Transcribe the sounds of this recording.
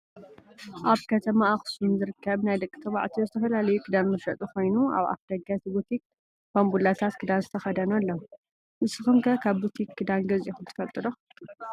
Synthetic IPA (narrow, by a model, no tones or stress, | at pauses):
ʔaβkʰɐt̪ʰɐmaːxsnzɨɾɨkʰːɐβnajd̪ɐkʼːt̪ʰɐβa̰ʕt̪ʰizɨt̪ʰɐfɐlalɐjukʰɨd̪anmɐʃɐt̪ʼukʰo̞jnua̰βa̰fd̪ɐɡat̪ʰibut̪ʰik̚ | bambulat̪ʰat̪kʰɨd̪anzɨt̪ʰɐxɐd̪ɐnɐlːo | mɨsɨxɨmkʰɐkʰaβbut̪ʰikːɨd̪anɡɐzixunt̪ʰɨ̥fɐlt̪ʼɨlo